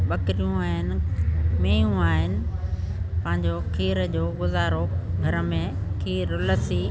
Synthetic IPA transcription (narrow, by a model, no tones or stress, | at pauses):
ɓɐkɾijũaːɦɪnɪ̆meːjũaːɦɪnɪ̆ | pɐ̃ɦɪ̃ɲd͡ʑokʰiːɾəd͡ʑoːɡʊzaːɾoɡʱɐɾə̆mẽkʰiːɾlɐsi